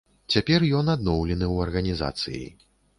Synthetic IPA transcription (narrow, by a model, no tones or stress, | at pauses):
t͡sʲapʲɛrjɔnad̪nɔwlʲɛnɨwɐrɣɐnʲiza̰t̪sɨ̰jḭ